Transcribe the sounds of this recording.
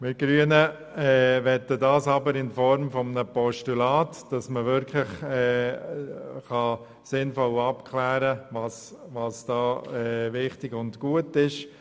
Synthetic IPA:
mɪɡ̥ɾyənə | ɛːʋɛtːədɑːsɑbəɾɪnfɔɾmfɔmənəpɔʃtulɑːtd̥ɑsməʋɪɾkʰlɪχɛː | χɑ | sɪnfɔlɑpkʰlæːɾəvɑsʋɑsd̥ɑːɛʋɪχtɪɡʊndɡ̥uətɪʃ

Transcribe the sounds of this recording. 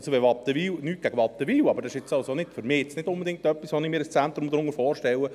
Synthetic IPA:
soʋɛʋɑtːəʋiːwnyːt̚ɡ̥æɡəʋɑt̪ːəʋiːwɑbəɾd̥ɑsɪʃɪt͡sɑlsonɪtfʏɾmɪːɪt͡snɪdʊnbed̪ɪŋk̚tœpːisʋoːnɪmiːɾəst͡sænt̪ɾʊmd̪ɾʊŋəfɔːɾʃtɛwə

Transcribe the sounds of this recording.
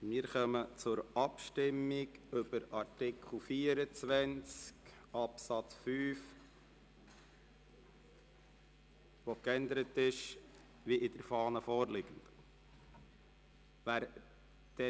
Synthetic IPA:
mɪːɾχœmət͡sʊɾɑpʃtɪmːɪɡʏbəɾɑɾtɪkχl̩ˠfiːəɾət͡sʋænt͡sk | ɑpsɑt͡sfyːf | ʋokɛnd̪əɾətɪʃ | ʋiʔɪd̥̪əɾfɑːnəfɔːɾlɪɡ̥ən̩d̥̪ | ʋæːɾ | d̪̥ɛ

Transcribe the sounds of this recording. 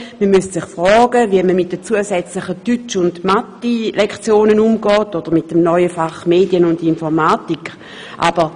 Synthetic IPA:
məmystsɪχfʁɔːɡəviəməmɪt̚d̥ət͡suəsɛt͡slɪχətyt͡ʃʊndmatilɛkχt͡sjoːnənumɡɔːtod̥əʁmɪt̚dəmnɔʏəfaχmeːdiənʊndinfɔʁmaːtikχ | ʔa̰b̥əʁ

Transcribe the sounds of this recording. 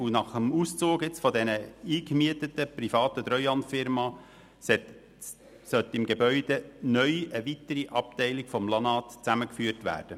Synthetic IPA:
unɑχəmust͡soːɡɪt͡sfɔdɛnəiːkmiət̪ətːəprifɑːt̪ət̪ɾœʏɑntfɪɾmɑ | sɛt | sœt̪ɪmɡebœʏd̥enœʏəʋit̪əɾiʔɑp̚tɛɪlikfɔmlɑnɑːt̪t͡sæməkfyːrtʋæ̰ːɾd̥ə

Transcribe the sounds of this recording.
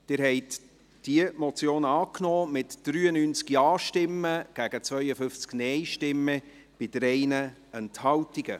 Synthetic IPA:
d̥ɪːɾɦɛɪt | d̥iəmɔt͡sjoːnɑːknɔːmɪtd̥ɾyːənyːnt͡skiɑːʃtɪmːəɡ̥æɡət͡svœʏəfʏft͡sknɛɪʃtɪmːə | b̥ɪd̥̪əɾɛɪnə | ɛnthɑwtiɡ̥ə̰

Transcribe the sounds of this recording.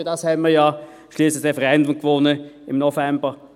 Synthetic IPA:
dɑshɛnməɐjɑ | ʃliːslɪçʁefɛʁɛndʊmkʋɔnəɪmnofɛmbə

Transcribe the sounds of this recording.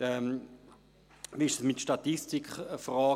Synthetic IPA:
ɛm | ʋiɪʃd̥əsmɪtʃtɑt̪istikχfrɑː

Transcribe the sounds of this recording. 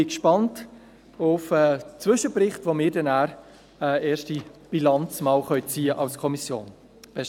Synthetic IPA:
ɪkʃpɑnt | ʊfɛt͡sʋʏʃəprɪχtʋomɪːɾdɛnæːɾ | ɛeːɾʃtib̥ilɑnt͡smɑːlχœʏt͡siːəʔɑlskʰɔmisjo̰ːn | b̥ɛs

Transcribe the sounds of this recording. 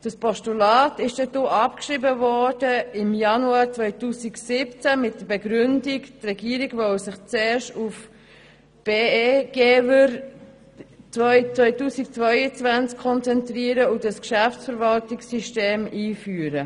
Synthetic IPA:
d̥ɑspʰɔʃtulɑːtɪʃd̥ɛdoːʔɑpkʃɾibəvɔd̥əɪmjɑnuɑːɾt͡svœʏtuːsiksɪpt͡sæmɪt̚d̥əbɛɡɾʏndiktrɛɡiːɾiɡʋɔwsɪχt͡seːɾʃtuf | b̥eːɡ̥eːwəɾ | t͡sœt͡sʋœʏtuːsik̚t͡svœʏət͡svænt͡skʰːɔnt͡sɛntɾiəɾəʊdəskʃæft͡sfəɾvɑltɪksyʃteːmiːfyːəɾə

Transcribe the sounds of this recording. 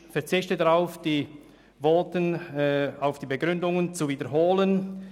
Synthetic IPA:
fɛɐt͡sɪçtədaʁaʊfd̥iː | vɔːtən | aʊfd̥iːbeɡʁʏndʊŋənt͡suviːdəɾɦoːlən

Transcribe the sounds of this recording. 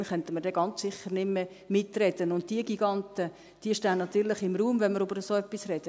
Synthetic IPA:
nχœnt̪əməɾdɛːɡɑnt͡ssɪχːəɾnɪmːə | mɪtrɛd̥ənʊnt̚tiəɡiɡɑnt̪ə | d̥iəʃtæːnnɑt̪yːɾlɪχɪmruːmʋɛnməɾøbəɾəsoːœpːisrɛd̥ə

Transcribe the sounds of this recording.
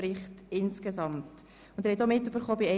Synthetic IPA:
ɾɪχtɪnskesɑmt | ʊndɛɾhɛt̪omɪtːøb̥əɾχoːbiɛ

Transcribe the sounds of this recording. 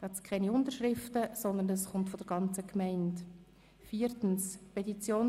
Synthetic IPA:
ɑtskʰɛniʊntəɾʃɾɪftəsɔnd̪ənɛsχʊmtfɔdəɾɡ̥ɑnt͡səkmɛɪnt | fiːɾtn̩spɛtit͡sjoːn

